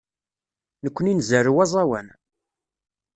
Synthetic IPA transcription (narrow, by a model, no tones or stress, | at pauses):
nəkʷːəninzəɾuwɑzˤɑwæ̰n